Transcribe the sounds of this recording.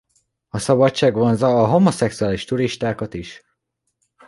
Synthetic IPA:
ɒsɒbɒt͡ʃt͡ʃːaːɡvonzɒːɦo̞mo̞sɛksuaːliʃt̪uɾiʃt̪aːkɒt̪iʃ

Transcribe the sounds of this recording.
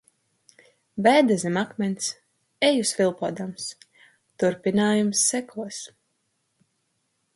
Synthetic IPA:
bæːd̪ɛzʲɛmakmʲɛnʲs | ɛjusvilˠpuɔd̪ams | t̪uɾpinaːjumsːɛkʰuɔs

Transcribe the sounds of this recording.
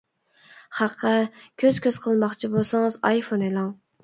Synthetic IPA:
χæqʰːəkʲʰøz̥kʲʰøz̥qʰəlˠmɑχt͡ʃʰibosɨŋɨzɑjfonelˠɑŋ

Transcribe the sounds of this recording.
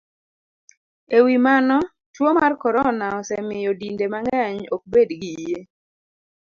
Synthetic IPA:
ewimanɔ | twomarkɔɾɔnaɔsɛmɪjɔdindemaŋɡɛɲok̚bedɡije

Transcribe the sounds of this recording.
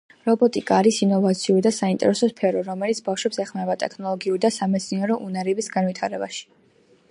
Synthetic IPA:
ɾɔbɔt̪ʼikʼaːɾisinɔvat̪sʰiuɾid̪asaint̪ʼɛ̰ɾɛsɔspʰɛɾɔɾɔmɛlit̪sʰbafʃwɛpsɛχmɛvat̪ʼɛkʰnɔlˠɔɡiuɾid̪asamɛt̪sʰniɛɾɔʔunaɾɛbisɡanwit̪ʰaɾɛbaʃi̥

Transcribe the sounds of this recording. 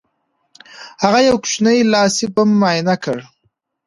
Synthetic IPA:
haɣajawkʃnəjlɑsɪpamːɑjnakəɽ

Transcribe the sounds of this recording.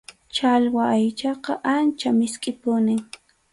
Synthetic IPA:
t͡ʃalwaːjt͡ʃɑqɑʔant͡ʃamɪskʼɪpʊnɪŋ

